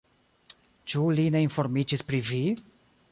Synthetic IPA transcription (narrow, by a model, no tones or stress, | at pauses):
t͡ʃulineimfɔɾmit͡ʃispɾivi